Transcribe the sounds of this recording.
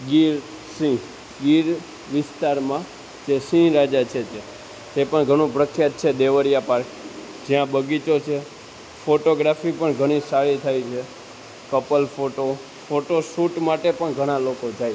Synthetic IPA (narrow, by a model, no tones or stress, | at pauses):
ɡiɾ | sĩ | ɡiɾ | ʋɪst̪aɾmã | d͡ʒesĩɾad͡ʒat͡ʃʰed͡ʒe | d͡ʒepəɳɡʱəɽ̃ũpɾəkʰjat̪̚t͡ʃʰed̪eʋəɾijapaɾk | d͡ʒijãbəɡit͡ʃot͡ʃʰe | foʈoɡɾafipəɳɡʱəɽ̃isaɾit̪ʰajt͡ʃʰe | kəpəlfoʈo | foʈosuʈmaʈepəɳɡʱəɽ̃alokod͡ʒaj